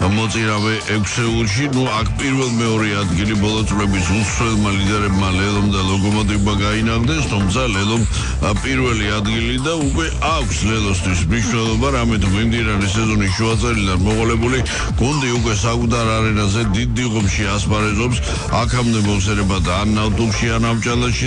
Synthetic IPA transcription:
mɔt̪sʼiɾavɛʔɛkʷʰsɛulˠʃinuakʰpʼiɾvɛlˠmɛɔɾiad̪ɡilibɔlˠɔt̪sʼlɛbisut̪sʰwɛlˠmalid̪ɛɾɛbmalɛlˠɔmd̪alɔɡɔmɔd̪iɔbaɡainaχd̪ɛst̪ʰumt̪sʰalɛlˠɔm | pʼiɾvɛliad̪ɡilid̪aukʼwɛʔakʰslɛlˠɔst̪ʰwismniʃnɛlˠɔbaɾamit̪ʰumimd̪inaɾɛsɛzɔniʃuat̪sʼɛɾid̪anmɔqʼɔlɛbuli | ɡ̥und̪iukʼwɛsakʼud̪aɾaɾɛnazɛd̪id̪ːiʁɔmʃiaspʰʼaɾɛzɔps | akʰamd̪ɛmɔmsɛɾɛbad̪aːnːavt̪ʼumʃianamt͡ʃʼalaʃi

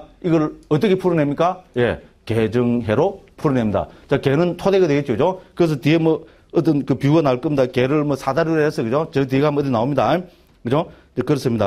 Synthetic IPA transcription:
iɡʌɾʌt̪̬͈ʌkʰepʰuɾɯnemɲik͈aje | ked͡ʑɯŋɦeɾopʰuɾɯnemɲida̰t͡ɕakenɯntʰodeɣad̪weɡet̚t͡ɕjod͡ʑokɯɾes̬ʰʌt̪iemʌ | ʌt̪̬͈ːɯnkɯpjuɡanaɭk͈ɯmɲidakeɾɯɭmʌsʰadaɾɯɾeɦes͈ʌɡɯd͡ʑot͡ɕenet̪̬ieɡamʌt̪̬ːɯnaomɲida | kɯd͡ʑot͡ɕekɯɾʌs͈ɯmɲida̰

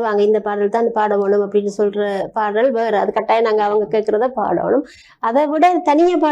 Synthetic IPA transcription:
ʋaːŋɡɐɪnd̪ɐpaːɽɐlt̪ãːɪnɯpaːɽɐʋoːɳɯmɐpːɐɽɪnːɯsɔlɾɐpaːɐlʋeːɾɯɐðɯkːɐʈːaːjɐnaːŋɡɐːʋɐŋɡɐkeːʈkɪɾɐðaːpa̰ːɽo̰ːɳɯm | ɐðɐʋɪɽɐt̪ɐnɪjɐpaː

